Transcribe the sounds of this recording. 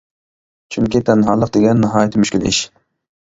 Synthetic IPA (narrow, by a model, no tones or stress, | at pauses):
t͡ʃʰyŋkʲit̪ʰɛnɦɑlˠːəq̚d̪eɡʲɛnːɨɦɑːjɛt̪ʰɪmyʃkʲylɪ̰ʃ